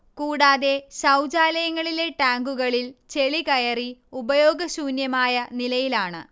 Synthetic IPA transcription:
kuːɽaːðe̞ɕɐwd͡ʑaːlɐjɐŋːɐɭile̞ʈaːŋɡuɣɐɭilt͡ɕe̞ɭikɐjɐriubɐjo̞ːɡɐsuːnjɐmaːjɐnilɐjilaːɳɨ̰

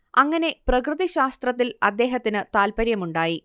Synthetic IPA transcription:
ɐŋːɐne̞prɐkrɨðiɕaːst̪rɐt̪ːilɐd̪ːe̞ːɦɐt̪ːinɨt̪aːlpɐɾjɐmuɳɖaːji

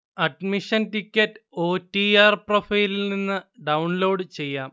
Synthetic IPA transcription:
ɐɖmiʂɐntikʲːɐtːɨ̥oːtːiaːrprofɐjlininːɨɖɐwɳlo̞ːɽɨt͡ɕe̞jːaːm

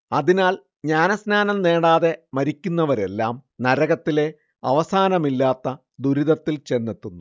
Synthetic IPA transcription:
ɐðinaːl | ɲaːnɐsnaːnɐmne̞ːɽaːðe̞mɐɾikʲːunːɐʋɐɾe̞lːaːmnɐɾɐɣɐt̪ːile̞ | ɐʋɐsaːnɐmilːaːt̪ːɐ | d̪uɾiðɐt̪ːilt͡ɕe̞nːet̪ːunːu

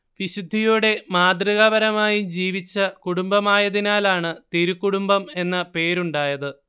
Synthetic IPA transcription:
ʋiɕud̪ʱːijuɽe̞maːd̪riɣɐʋɐɾɐmaːjumd͡ʑiːʋit͡ɕːɐkuɽumbɐmaːjɐðinaːlaːɳɨt̪iɾukːuɽumbɐme̞nːɐpe̞ːɾuɳɖaːjɐðɨ

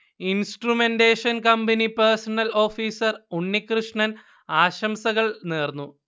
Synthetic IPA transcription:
insʈrumendeːʂɐnkɐmbɐnipersɐnɐlo̞ːfiːsɐruɳːikrɨʂɳɐn | aːɕɐmsɐɣɐɭneːrnːu

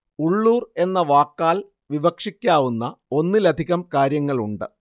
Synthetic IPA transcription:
uɭːuːre̞nːɐʋaːkːaːl | ʋibɐkʂikʲːaːʋunːɐo̞nːɨlɐd̪ʱiɣɐmkaːɾjɐŋːɐɭuɳɖɨ

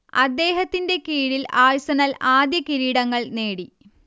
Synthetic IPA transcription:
ɐ̰d̪ːe̞ːɦɐt̪ːinde̞kiːɽilaːjsɐnɐlaːd̪jɐkiɾiːɽɐŋːɐɭne̞ːɽi

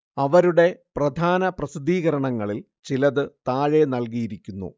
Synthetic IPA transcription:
ɐʋɐɾuɽe̞prɐd̪ʱaːnɐprɐsid̪ʱiːɣɐɾɐɳɐŋːɐɭil | t͡ɕilɐðɨt̪aːɻe̞nɐlkijiɾikʲːunːṵ

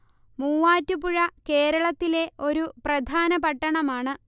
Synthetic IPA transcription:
muːʋaːtːupuɻɐke̞ːɾɐɭɐt̪ːile̞o̞ɾuprɐd̪ʱaːnɐpɐʈːɐɳɐmaːɳɨ

